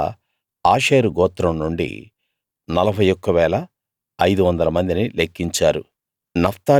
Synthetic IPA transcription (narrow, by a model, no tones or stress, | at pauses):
aːʂeːɾuɡɔːt̪ːɾɐmnuɳɖḭ | nɐlɐbʱɐjɔkːɐʋɛːlɐ | ɐjd̪uʋɐnd̪ɐlɐmɐnd̪inilekːiɲt͡ʃaːɾṵ | nɐft̪aː